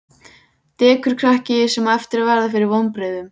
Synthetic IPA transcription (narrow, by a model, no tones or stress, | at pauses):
t̪ɛːkʏɾ̥kʰɾahcɪɪsɛmɛft̪ɪɾavɛɾðafɪɾɪɾvownpɾɪːðʏm